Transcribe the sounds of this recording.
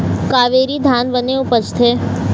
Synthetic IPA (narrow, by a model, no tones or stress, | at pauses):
kaːʋeɾid̪ʱanbəneupət͡ʃt̪ʰeː